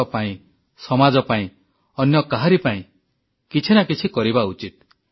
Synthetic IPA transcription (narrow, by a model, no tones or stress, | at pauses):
ɔpaĩ | sɔmad͡ʒɔpaĩ | ɔnjɔkaɦaɾipaĩ | kit͡ʃʰinakit͡ʃʰikɔɾibaut͡ʃit̪̚